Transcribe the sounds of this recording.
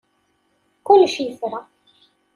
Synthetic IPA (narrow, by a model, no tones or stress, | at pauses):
kʊlːʃjəsɾˤɑ